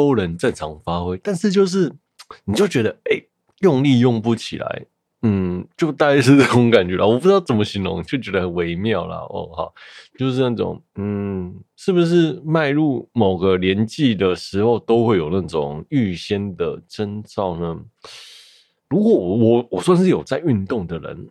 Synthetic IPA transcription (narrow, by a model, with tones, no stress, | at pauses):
o˥ʊɻə˧˦nʈ͡ʂə˥˩ŋʈ͡ʂʰɑ˧˥ŋfa˥xwe˥ɪt̪a˥˧nʂɻ̩˥˧t͡ɕjo˥˧ʊʂ̬ɻ̩˥˩ | ni˨˩t͡ɕjo˥˩ʊt͡ɕɥɛ˧˥d̪ə˧e˥˩ɪ | jʊ˥˧ŋli˥˧jʊ˥˧ŋpu˥˩t͡ɕʰḭ˨˩la̰˧˦ɪ | n̩˥˩t͡ɕjo˥˧ʊt̪a˥˩t͡ɕa˥ʂɻ̩˥˧na˥˩ʈ͡ʂʊ˧˦ŋka˨˩nt͡ɕɥɛ˧˦˥l̰wɔ˨p̬u˥˩ʈ͡ʂ̩˥d̪ɑ˥˩ʊt͡sə˨˩nm˦ɕi˧˥ŋlʊ̰˧˦ŋ˨t͡ɕjo˥˩t͡ɕɥɛ˧˥d̪ə˧hə˨˩nwe˧˥ɪmjɑ˥˩ʊlɐ̰˩ɔ̰˥˩xɑ̰˨˩ʊt͡ɕjo˥˧ʊʂ̬̩˥˧na˥˩ʈ͡ʂʊ̰˨˩ŋn̩˥˩ʂɻ̩˥˩bu˩ʂ̬ɻ̩˥˩ma˥˧ɪɻu˥˩mo˨˩ʊɡə˦ljɛ˧˦nt͡ɕi˥˩d̪ə˩ʂɻ̩˧˥xo˥˧ʊt̪o˥ʊxwe˥˩ɪjo˨˩ʊna˥˩ʈ͡ʂʊ˨˩ŋy˥˩ɕjɛ˥nd̪ə˩ʈ͡ʂə˥nt͡sɑ˥˩ʊnə˦ | ɻu˧˥kwɔ˨˧˥wɔ˨˩wɔ˨˩wɔ˨˩swa˥˧nʂ̬ɻ̩˥˩jo˨˩ʊt͡sa˥˧ɪy˥˧nt̪ʊ˥˩ŋd̪ə˩ɻə̰˧˦n